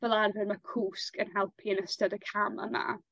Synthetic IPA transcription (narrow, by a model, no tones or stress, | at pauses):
vɛlˠarvɪnmakʰuːskənɦɛlˠpʰiənəstadəkʰamə̰ma̰